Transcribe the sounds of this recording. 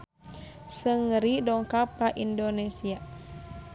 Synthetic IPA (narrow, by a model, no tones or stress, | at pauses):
səŋəɾidɔŋkapaʔindonɛsia